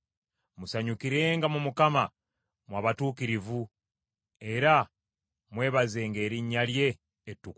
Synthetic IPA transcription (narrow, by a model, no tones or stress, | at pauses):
musaɲukiɾe̞ːŋɡamumukama | mwaːβatuːkiɾivu | e̞ɾa | mwe̞ːβaze̞ːŋɡe̞ːɾiɲːalje̞ː | tːuk